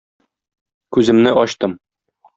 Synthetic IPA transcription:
kʉzɘ̆mnɘʔɒɕt̪ɤm

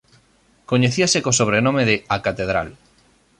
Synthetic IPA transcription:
koɲeθiasekosoβ̞ɾenõmeðeakat̪eð̞ɾa̰l

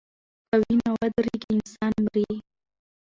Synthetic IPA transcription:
kawinawad̪ɾiɡiɪnsɑnmɾi

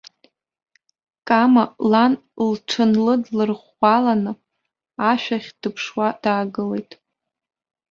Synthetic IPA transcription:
kʼamalanlʈ͡ʂʰɨnlɨdlɨrχʷ | alanɨ | aʃᶣaχʲd̥ɨpʰʂwad̥aːɡɨle̞jtʼ

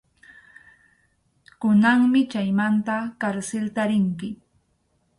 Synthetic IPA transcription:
kʊnaŋmɪt͡ʃajmant̪akaɾsɪlt̪aɾɪŋkɪ

